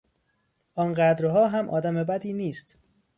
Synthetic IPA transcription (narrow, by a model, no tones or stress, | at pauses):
ʔɒːnɢæd̪ɾɦɒːɦæmʔɒːd̪æmebæd̪iːniːst̪